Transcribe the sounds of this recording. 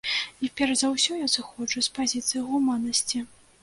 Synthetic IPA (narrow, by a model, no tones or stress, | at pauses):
ipʲɛrzɐwsʲɔjasɨxɔd͡ʐɨspazʲit̪sɨjiɣumanːɐsʲt͡sʲi